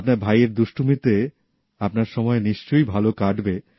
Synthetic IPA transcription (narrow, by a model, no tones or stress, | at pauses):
p̚naɾbʱajeɾd̪uʃʈʰumit̪e | apnaɾʃɔmɔeniʃt͡ɕojbʱalokaɖbe